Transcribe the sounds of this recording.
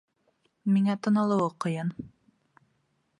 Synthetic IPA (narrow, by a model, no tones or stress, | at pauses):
miŋæt̪ɤ̆nɤ̆lˠɤ̆wɤqɤ̆jɤn